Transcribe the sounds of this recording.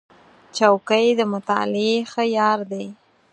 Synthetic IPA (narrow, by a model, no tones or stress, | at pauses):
t͡ʃawkəjd̪əmʊt̪ɑ̰lɪexəjɑɾd̪e